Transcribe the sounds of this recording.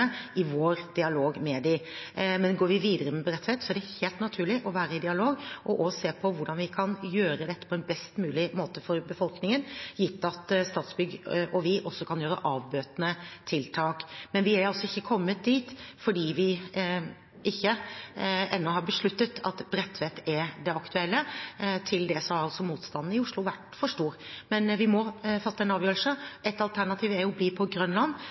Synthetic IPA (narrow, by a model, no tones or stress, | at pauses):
əɪʋoːɾd̪̥ɪɑloːɡmɛd̪ɪmɛnɡoːɾʋɪʋiːd̪əɾəmɛbɾɛt̪ːət̪sɔæɖɛheːlt̪nɑt̪ʰʉːɭɪʔɔʋæːɾəɪd̪ɪɑloːɡʔɔʔɔseːpʰɔʋʊɖɑnʋɪkʰɑnjøːɾəd̪ɛt̪ːə̥pʰɔɛnbɛst̪mʉːlɪmoːt̪əfɔɾbəfɔlknɪŋənjɪt̪ːɑt̪st̪ɑːt̪sbʏɡʔɔʋɪʔɔsːɔkʰɑnjøːɾə̰ʔɑːʋbøːt̪nət̪ʰɪlt̪ʰɑːkmɛnʋɪæɾɑlsɔɪçːəkʰɔmːət̪̚d̪iːt̪fɔɖiːʋɪ | ʔɪçːə | ɛnːɔɦɑɾbəʂɭʉt̪ːət̪ʰɑ̰t̪bɾɛt̪ʰːʋɛt̪ɛɾd̪ɛɑkt̪ʉɛlːət̪ʰɪld̪ɛsɔhɑɾɑlsɔmuːt̪st̪ɑnn̩ɪʊʂlʊʋæʈfɔʂʈuːɾmɛnʋɪmɔfɑt̪ːəɛnɑːʋjøːɾl̩səʔɛt̪ɑlt̪ʰæɳɑt̪ʰiːʋæɾjʊbliːpʰɔɡɾœnlɑnː